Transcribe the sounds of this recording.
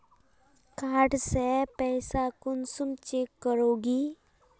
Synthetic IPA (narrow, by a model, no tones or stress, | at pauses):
kaːʈsɛpɛːsakʊnsʊmt͡ʃeːkːəɾoːɡiː